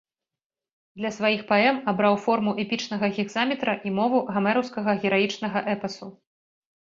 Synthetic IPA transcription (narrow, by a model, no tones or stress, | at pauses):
d̪lʲɐsvajixpaɛmabɾawfɔrmuʔɛpʲit͡ʂnɐɣɐɣʲiɣzamʲit̪ɾɐʔimɔvuɣamɛɾɐwskɐɣɐɣʲɛɾajit͡ʂnɐɣɐʔɛpɐsu